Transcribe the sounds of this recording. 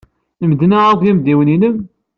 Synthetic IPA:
əmd̪naɾˤðˤjæmd̪iwəninəm

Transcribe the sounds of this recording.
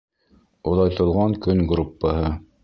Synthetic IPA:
ulˠɑjt̪ŏlˠʁɑŋkɵŋɡɾupːəɦɤ

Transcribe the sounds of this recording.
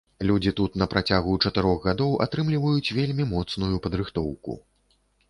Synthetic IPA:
lʲud͡zʲit̪ut̪nɐpɾat͡sʲaɣut͡ʂɐt̪ɨɾɔɣɣad̪ɔwʔa̰t̪ɾɨmlʲivɐjut͡sʲvʲelʲmʲimɔt̪snujupɐd̪ɾɨxt̪ɔwkṵ

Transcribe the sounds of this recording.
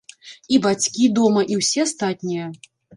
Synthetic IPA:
ibat͡sʲkʲid̪ɔmɐʔiwsʲɛast̪at̪ʲnʲijɐ

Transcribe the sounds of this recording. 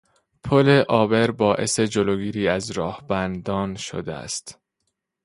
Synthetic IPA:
pʰole̞ʔɒːbe̞ɾbɒːʔe̞̰se̞d͡ʒoloːɡiːɾiːæzɾɒːhb̥ænd̪ɒːnʃo̰d̪eæ̰st̪

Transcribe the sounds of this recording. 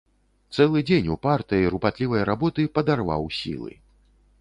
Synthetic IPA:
t̪sɛlˠɨd͡zʲenʲupart̪ɨjiɾupat̪lʲivɐjɐɾabɔt̪ɨpɐd̪arva̰wsʲḭlˠɨ̰

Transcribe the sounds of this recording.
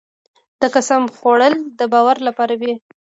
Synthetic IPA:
d̪̥əkasamxoɽəld̪əbɑwaɾlapɑɾawi

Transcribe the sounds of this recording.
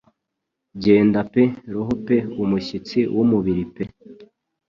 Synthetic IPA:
ɟe̞ːndapeɾoɦopeumuɕit͡siwʔumuβiɾipe̞

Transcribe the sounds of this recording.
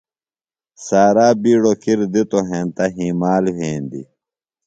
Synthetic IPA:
saːɾaːbiːɽokiɾd̪it̪oɦeːnt̪ɐɦiːmaːlweːnd̪ḭ

